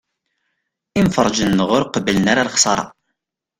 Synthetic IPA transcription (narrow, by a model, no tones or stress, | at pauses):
imfəɾˤd͡ʒənːəʁʊɾqəbələnaɾaɾχsˤɑɾˤɑ̰